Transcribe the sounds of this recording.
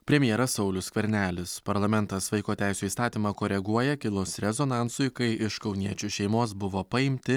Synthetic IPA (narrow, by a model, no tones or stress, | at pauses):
pʲɾʲɛmʲjɛɾɐssɐʊlʲʊskʲʋʲɛɾʲnʲæːlʲɪspɐɾlˠɐmʲɛnt̪ɐsʋɐɪkoːt̪ʲæˑɪsʲuːiːst̪ɑːt̪ʲiːmɑkoːɾʲɛɡuɔjɛkʲɪlˠʊsɾʲɛzoːnɑˑntsʊɪkɐɪɪʃkɒʊnʲiɛt͡ʃʲuʃʲɛɪmoːsbʊʋoːpɐɪmʲt̪ʲɪ